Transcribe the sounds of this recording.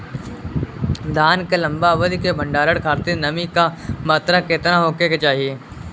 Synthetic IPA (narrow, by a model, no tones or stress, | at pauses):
d̪aːnkelɐ̃mbaʋəd̪ʱikebʱə̃ɳɖaːɾəɽkʰaːɾt̪inɐmikamaːt̪ɾaket̪naɦoːkeket͡ʃaːɦieː